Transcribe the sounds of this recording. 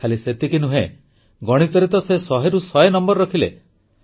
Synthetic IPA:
kʰaliset̪ikinuɦḛ | ɡɔɽ̃it̪ɔɾit̪ɔsesɔɦeɾusɔenɔmbɔɾːɔkʰilḛ

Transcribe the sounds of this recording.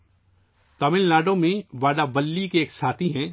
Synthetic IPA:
t̪ɐmɪllaːɖõmẽʋaːɖabɐlːikeːksʰaːt̪ʰiɦɛ̃ː

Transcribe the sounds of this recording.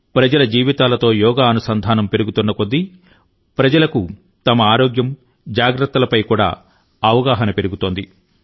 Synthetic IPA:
pɾɐd͡ʒɐlɐd͡ʒiːʋit̪aːlɐt̪o̞ːjɔːɡaːɐnusɐnd̪ʱaːnɐmpe̞ɾuɡut̪unːɐkod̪ːi | pɾɐd͡ʒɐlɐku | t̪ɐmɐaːɾoːɡjɐm | d͡ʒaːɡɾɐt̪ːɐlɐpɐjkuːɽa̰ː | ɐʋɐɡaːɦɐnɐpe̞ɾuɡut̪o̞ːnd̪i

